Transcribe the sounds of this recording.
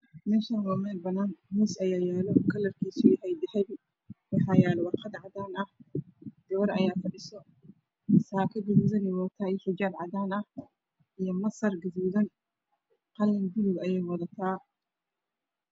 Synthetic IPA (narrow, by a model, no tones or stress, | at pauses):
mɪnsɐnwɔːmɛːlbɐnaːnmɪsɐjaːjɛːlɔkʰɐlɐrkʰiːsujɐhɛjd̪ɛħɛb | wɑħɑːjɛːlɔwɑqɑd̪ʕɑd̪aːnɐhd̪̥ɔwɾɐ̰jaːfɐɗɪsɔ | saːkʰɐɡɐðuːðɐnɪwɔːt̪ʰaːjħɪd͡ʒaːbʕɑ̰d̪aːnɐh | ʔijɔmɐsɐrɡɐðuːðɐn | qɑlːɐnd̪ɪlʊɡɐjɛːjwɑðɐt̪ʰaː